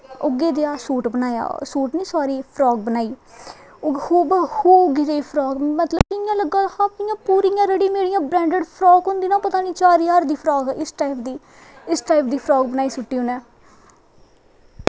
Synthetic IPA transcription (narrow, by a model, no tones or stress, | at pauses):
oɡeːd̪eːaːsuːʈbənaːja̰ːsuːʈnĩːsaːɾiːpʰɾɔːɡ̚bənaːiː | hoːbəhoːɡɪd͡ʒeipʰɾɔːɡmət̪ləbɪjãːləɡːãːhãːpɪjãːpuːɾiːjãːɾəɽĩːmeːɽɪjãːbɾɛ̃ːɳɖəɖpʰɾɔːɡɦʊ̃nd̪iːnãːpət̪aːniːt͡ʃaːɾijaːɾd̪iːpʰɾaːɡʔɪsʈaːɪpʰd̪iː | ɪsʈaːɪp̚ʰd̪iːpʰɾaːɡ̚bənaːiːsʊʈːiːɦʊnɛː